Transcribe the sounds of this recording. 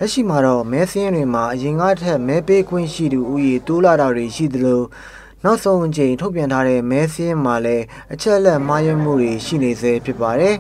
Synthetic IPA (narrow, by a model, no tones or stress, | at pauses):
lɛʔʃḭmaɾɔ̰mɛsəjɪ̃ndwem̥aʔəjɪ̃ŋɡa̰tʰɛʔmɛpeɡwɪ̰̃ʃḭd̪uʔujet̪olaɾadweʃḭd̪əlo | naʊʔsõʊ̃ʔət͡ɕẽɪ̃tʰoʊpjãntʰaɾɛ̰mɛsəjɪ̃m̥alɛ | ʔət͡ɕʰɛʔəlɛʔm̥ajɛm̥ṵdeʃḭnezɛpʰjɪpːaɾɛ